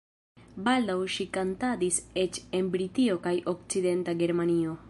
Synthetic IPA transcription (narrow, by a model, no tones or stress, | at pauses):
baldawʃikantadise̞t͡ʃe̞nbɾitio̞kajʔo̞k̚t͡side̞ntaɡe̞ɾmanio̞